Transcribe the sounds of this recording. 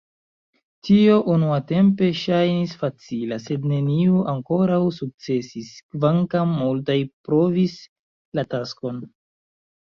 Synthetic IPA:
tio̞ʔunuate̞mpe̞ʃajnisfat͡silase̞dne̞nioʔaŋko̞ɾawsuk̚t͡se̞siskvaŋkamːultajpɾo̞vis | latasko̞n

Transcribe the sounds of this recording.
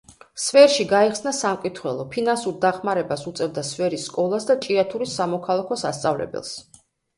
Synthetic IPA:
svɛɾʃiɡaiχsnasamkʼit̪ʰχwɛlˠɔpʰinansuɾd̪aχmaɾɛbasut̪sʼɛvd̪asvɛɾisːkʼɔlˠasd̪at͡ʃʼiat̪ʰuɾisamɔkʰalˠakʰɔsast̪sʼavlɛ̰bɛ̰lˠs

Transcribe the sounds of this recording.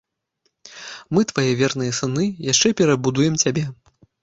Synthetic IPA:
mɨt̪vajɛvʲɛrnɨjɐsɨnɨjaʂt͡ʂɛpʲɛɾɐbud̪ujɛmt͡sʲabʲɛ

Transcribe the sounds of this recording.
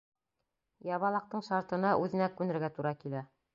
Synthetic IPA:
jɑβɑlˠɑq̚t̪ɤɴʃɑɾt̪ɤ̆nɑʔʉðɘ̆nækːʉnɘ̆ɾɡæt̪uɾɑkilæ

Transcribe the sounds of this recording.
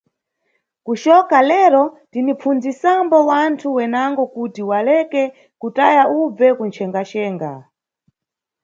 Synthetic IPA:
kut͡ʃɔkalɛɾɔtinip͡fund͡zisambɔwantʰuwɛnaŋɡɔkutiwalɛkɛ | kutajaʔub͡vɛkunt͡ʃʰɛŋɡat͡ʃɛːŋɡa̰

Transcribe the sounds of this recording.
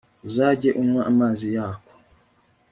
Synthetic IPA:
uzaːɟeʔumwaʔamaːzijaːko̥

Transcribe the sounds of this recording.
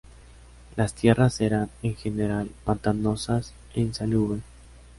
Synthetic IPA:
last̪je̞rase̞ɾaneŋxe̞neɾalpant̪ano̞sas | ensaluβe

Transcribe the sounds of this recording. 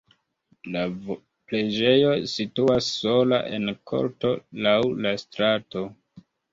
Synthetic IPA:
la | ple̞d͡ʒe̞jo̞situasːo̞la̰ʔe̞̰nkʰo̞̰ɾto̞lawlastɾato̞

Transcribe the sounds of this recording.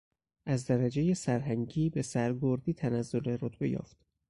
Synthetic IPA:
ʔæzd̪æɾæd͡ʒeje̞sæɾɦæŋɟiːbe̞sæɾɡoɾd̪iːt̪ʰænæzːo̞le̞ɾot̪ʰbe̞jɒ̰ːft̪

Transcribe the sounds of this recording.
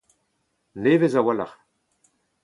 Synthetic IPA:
neːvezawala̰χ

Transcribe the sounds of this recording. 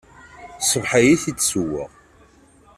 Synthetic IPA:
səvħajiθit͡sːsuwːə̰ʁ

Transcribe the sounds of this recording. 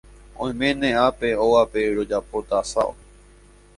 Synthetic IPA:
õj̃mẽnẽape̞oʋape̞ɾo̞d͡ʒapo̞t̪asao̰

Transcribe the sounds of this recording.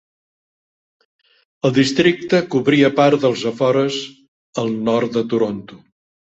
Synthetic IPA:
əlˠd̪ist̪ɾik̚t̪əkuβɾiəpaɾðəlˠzəfɔɾəz | əlˠnɔɾt̪d̪ət̪uɾont̪u

